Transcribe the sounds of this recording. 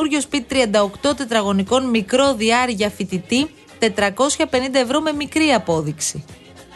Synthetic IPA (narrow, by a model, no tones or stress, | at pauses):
uɾʝo̞spit̪it̪ɾiɐnd̪ɐokt̪o̞t̪e̞t̪ɾɐɣo̞niko̞nmikɾo̞ðiɐɾʝɐfit̪it̪i | t̪e̞t̪ɾɐko̞sçɐpe̞nind̪ɐe̞vɾo̞me̞mikɾiɐpo̞ðiksi